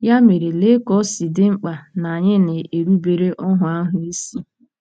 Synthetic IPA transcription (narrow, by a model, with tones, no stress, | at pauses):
ja˦me˨ɾe˨le˦kɔ˦si˨dɪ˦ŋ͡m̩˦k͡pa˨na˨ɲɪ˦ne˨e˨ɾu˦be˨ɾe˦ʔɔ˦ɦʊ˨a˦ɦʊ˦i˦si˦